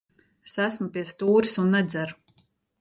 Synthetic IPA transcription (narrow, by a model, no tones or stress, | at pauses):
sæsmupʲiɛst̪uːɾsunːɛd̪zæɾ